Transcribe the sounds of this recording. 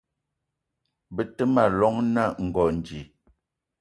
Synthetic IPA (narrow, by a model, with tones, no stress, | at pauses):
bə˨tə˦ma˦˨lɔ˦ŋna˦˨ŋ̩˨ɡɔ˨n˨d͡ʒi˨